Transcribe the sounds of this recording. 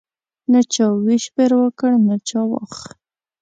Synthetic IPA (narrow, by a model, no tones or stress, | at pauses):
nət͡ʃɑwiʃbeɾwəkəɽnət͡ʃɑwɑ̰x